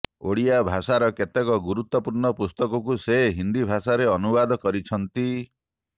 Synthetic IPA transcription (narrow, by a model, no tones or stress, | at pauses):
o̰ɽiabʱasaɾɔket̪ekɔɡuɾut̪wɔpuɾɳɔpust̪ɔkɔkuseɦind̪ibʱasaɾeɔnubad̪ʱɔkɔɾit͡ʃʰɔnt̪i